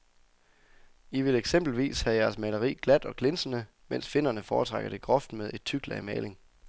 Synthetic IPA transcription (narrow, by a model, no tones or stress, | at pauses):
iʋe̝leɡ̥sem̰b̥l̩ʋḭːshæjæɐsmæləʁḭːɡ̥læd̥ɒ̽ɡ̥ʰle̝nsənə | men̰sfe̝n̰ɐnəfɒːt͡sʰʁɑ̈ɡ̥ɐd̥e̝ɡ̥ʁɒ̽fd̥með̞ˠe̝d̥̚t͡sʰyɡ̥læmɛːle̝ŋ